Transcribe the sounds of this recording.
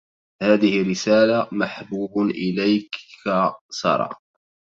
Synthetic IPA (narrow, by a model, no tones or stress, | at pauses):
haːðɪhɪrːɪsaːlamaħbuːbʔɪlajk | sˤɑ̰ɾˤɑ̰ː